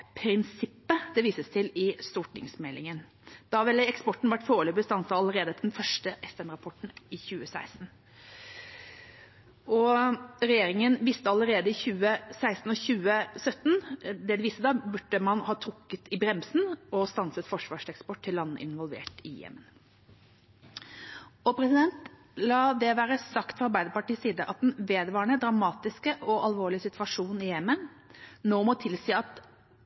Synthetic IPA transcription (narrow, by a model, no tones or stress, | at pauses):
pʰɾɪnsɪpːəd̪̥ɛʋiːsəst̪ʰɪlɪst̪uːʈʰɪ̰ŋsmɛlːɪŋən | d̪̥ɑʋɛlːəɛkspɔʈːn̩ʋæʈːfoːɭøbəst̪ɑnsəɑləɾeːd̪ət̪d̪ɛnfœʂʈəʔɛfɛnɾɑpʰɔʈn̩ɪçʉːəsæ̰ɪst̪n̩ | ɔɾɛjeːɾɪŋənʋɪst̪əɑləɾeːd̪əɪçʉːəsæɪst̪n̩ɔçʉːəsœt̪ːn̩d̪ɛd̪ɛʋiːst̪əd̪ɑbʉʈːəmɑnhɑːt̪ʰɾʊkːət̪ɪbɾɛmsn̩ɔst̪ɑnsət̪fɔʂʋɑːʂɛkspɔʈʰːɪlːɑnːə̰ʔɪ̰nʋɔlʋḛːʈɪ̰jɛ̰mːən | ɔpʰɾɛsɪd̪ɛnt̪ | lɑːd̪ɛʋæːɾəsɑkt̪fɔɑɾbæɪd̪əɾpɑʈiːsiːd̪əʔɑt̪̚d̪ɛnʋeːd̪ʋɑːəɳəd̪ɾɑmɑːt̪ɪskəʔɔʔɑlʋoːɭɪəsɪt̪ʋɑʂuːnɪjɛmːən | noːmɔt̪ʰɪlsiːɑt̪